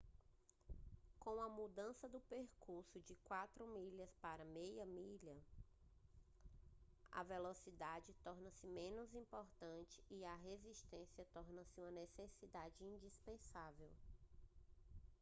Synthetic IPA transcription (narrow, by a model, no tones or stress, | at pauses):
kõw̃ɐmud̪ɐ̃sɐd̪ʊpeɾkuɾsʊd͡ʒɪkwat̪ɾʊmiʎɐspaɾɐmejɐmiʎɐ | ɐ̰velosid̪ad͡ʒɪt̪ɔɾnɐsɪmẽnʊzĩpoɾt̪ɐ̃t͡ʃɪ̥iɐɦeziʃt̪ẽsiɐt̪ɔɾnɐsɪũmɐnesesid̪ad͡ʒɪĩd͡ʒispẽsavew